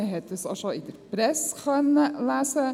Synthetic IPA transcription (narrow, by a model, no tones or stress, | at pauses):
ɦet̪əsɑ̰ʃɔɪd̪əɾpɾɛskɑnlæːsə